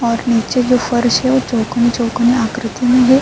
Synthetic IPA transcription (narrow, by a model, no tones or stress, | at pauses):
ɔːɾnit͡ʃed͡ʒofəɾʃɦeʋot͡ʃoːkənit͡ʃokəniakɾɪt̪imẽɦe